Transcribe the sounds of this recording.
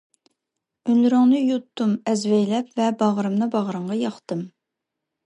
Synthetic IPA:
ynlyɾɪŋnɨjut̪ʰːumɛzvɛjlɛpvɛbɑʁɾɨmnɨbɑʁɾɨɴʁɑjɑχt̪ɨm

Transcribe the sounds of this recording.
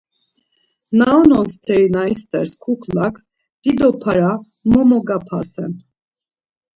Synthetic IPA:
naɔnɔnst̪ʰɛinaist̪ɛɾskʰukʰlakʰ | d̪̥id̪ɔpʰaɾa | mɔmɔɡapʰasɛn

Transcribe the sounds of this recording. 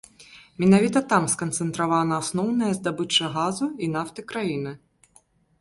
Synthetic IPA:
mʲɛnavʲit̪ɐt̪amskɐnt̪sɛnt̪ɾavanɐːsnɔwnɐjɐzd̪abɨt͡ʂːɐɣazuinaft̪ɨkɾajinɨ

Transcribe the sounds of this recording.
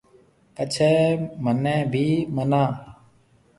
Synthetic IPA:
ət͡ʃʰɛːmənɛ̃ːbʱiːmənãː

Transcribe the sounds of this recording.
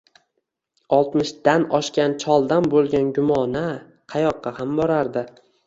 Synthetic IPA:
ɒlˠt̪mɪʃd̪anɒʃkʲant͡ʃʰɒlˠd̪anbolˠɡʲanɡʲʊmɒna | qʰɑjɒqːɑhambɒɾaɾd̪ɪ

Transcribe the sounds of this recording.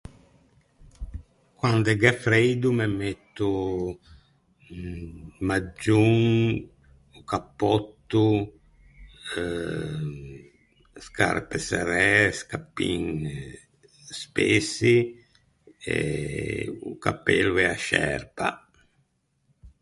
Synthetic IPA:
kwand̪ɛɡɛfɾejd̪umɛmet̪ːu | mad͡ʒːuŋ | ukapːɔt̪ːu | ska̰ɾpɛsɛɾɛskapːḭŋ | spesi | ɛ̰ | uka̰pːḛluɛaʃɛ̰ɾpa̰

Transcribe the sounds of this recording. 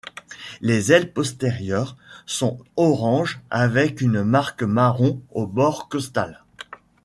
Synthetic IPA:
lezɛlpɔst̪eʁjœʁsɔ̃ɔʁɑ̃ʒavɛkynmaʁkmaʁɔ̃obɔʁkɔst̪al

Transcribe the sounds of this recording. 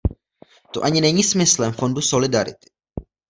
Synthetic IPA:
t̪o̞ʔaɲɪnɛɲiːsmɪslɛmfo̞nduso̞lɪdaɾɪ̰t̪ɪ̥

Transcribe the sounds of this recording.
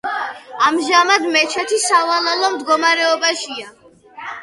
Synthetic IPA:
amʒamad̪mɛt͡ʃʰɛt̪ʰisavalalɔmd̪ɡɔmaɾɛɔbaʃia

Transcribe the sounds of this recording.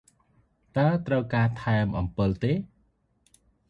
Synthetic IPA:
t̪aət̪rəwkaːt̪ʰaɛmʔɑmpɨlt̪eː

